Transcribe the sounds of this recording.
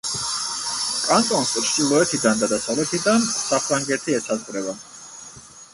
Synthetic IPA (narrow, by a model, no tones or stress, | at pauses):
kʼant̪ʼɔnsʼɾʃt͡ʃʼilˠɔɛt̪ʰid̪and̪ad̪asavlɛt̪ʰid̪ansapʰɾaŋɡɛt̪ʰiɛsʰazqʼvɾɛba